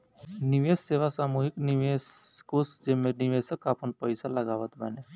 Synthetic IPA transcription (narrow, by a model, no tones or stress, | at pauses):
niʋesːeʋasamuɦikniʋeskosd͡ʑemːeniʋesəkapəɳpəjsalaɡaʋət̪bane